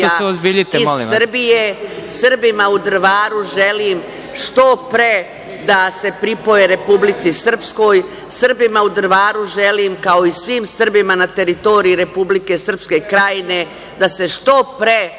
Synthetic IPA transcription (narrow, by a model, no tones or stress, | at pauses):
oaseozbiʎit̪eilirbijesr̩bimaud̪r̩ʋaːɾuʒe̞lim | ʂt̪o̞pɾe | d̪ase̞pɾipo̞jeɾe̞publit̪sisr̩psko̞ːj | sr̩bimaud̪ɾ̩ʋaːɾuʒelimkao̞isʋimsr̩bimanat̪e̞ɾit̪o̞ɾiiɾe̞publike̞sr̩pske̞kɾajine̞ | d̪ase̞ʂt̪o̞pɾe